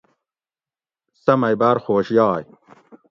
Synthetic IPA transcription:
sɐmɐjbaːɾxoːɕjɑːj

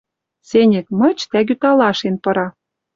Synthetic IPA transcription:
senʲɘ̆kmɤ̆t͡ɕt̪æɣyt̪ɑlɑʃenpɤ̆ɾɑ

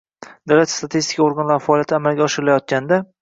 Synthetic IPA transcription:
d̪awlat̪st̪ʰat̪ʰist̪ɪ̥kʰaoɾɡanlaɾɪfaɒːlijat̪ʰamalɡʲaɒʃɪɾɪlajɒt̪̚kʲand̪a

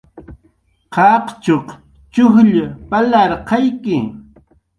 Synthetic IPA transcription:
qɑqt͡ʃoq | t͡ʃʊxʎapalɑɾqɑjkɪ

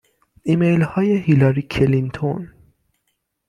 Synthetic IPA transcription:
imejlhɒːjeɦilɒɾiːkʰelint̪ʰon

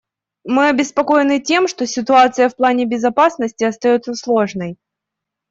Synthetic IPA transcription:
mɨɐbʲɪspɐko̞jɪnɨtʲe̞mʂt̪o̞sʲɪt̪ʊat̪sɨjəfplˠanʲɪbʲɪzɐpasnəsʲtʲɪɐst̪ɐjo̞t̪səslˠo̞ʐnəj

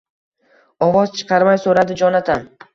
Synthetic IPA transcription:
ɒvɒz̥t͡ʃʰɨ̥qʰɑɾmajsoɾad̪ɪd͡ʒɒnat̪ʰan

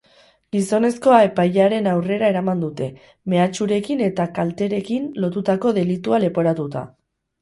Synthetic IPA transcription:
ɡiso̞ne̞sko̞ae̞pajʎaɾe̞nawre̞ɾae̞ɾamand̪ut̪e̞ | me̞at͡ʃuɾe̞kine̞t̪akalt̪e̞ɾe̞kinlo̞t̪ut̪ako̞ðe̞lit̪uale̞po̞ɾat̪ut̪a̰

